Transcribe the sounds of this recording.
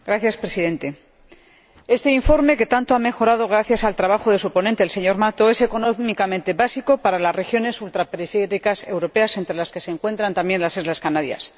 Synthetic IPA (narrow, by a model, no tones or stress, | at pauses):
ɡɾaθjaspɾe̞siðe̞nt̪e̞ | e̞st̪e̞iɱfo̞ɾme̞ke̞t̪ant̪oame̞xo̞ɾað̞o̞ɣ̞ɾaθjasalt̪ɾaβaxoðe̞supo̞nent̪e̞lse̞ɲo̞ɾmat̪o̞e̞se̞ko̞nomikamẽ̞nt̪e̞βasiko̞paɾalasre̞xjo̞ne̞sult̪ɾape̞ɾifeɾikase̞wɾo̞pe̞ase̞nt̪ɾe̞laske̞se̞ːŋkwe̞nt̪ɾant̪ambje̞nlasizlaskanaɾja̰s